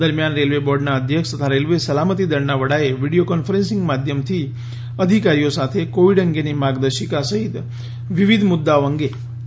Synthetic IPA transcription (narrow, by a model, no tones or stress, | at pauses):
əɾmjanɾelʋebɔɾɖnaəd̪ʱjəkʂt̪ət̪ʰaɾelʋesəlamət̪id̪əɾnaʋəɽaeʋiɽijokɔnfəɾẽnsɪŋɡmad̪ʱjəmt̪ʰi | əd̪ʱikaɾijosat̪ʰekoʋiɖəŋɡenimaɡd̪əʃikasəɦit̪ | ʋiʋid̪ʱmʊd̪ːaoəŋɡe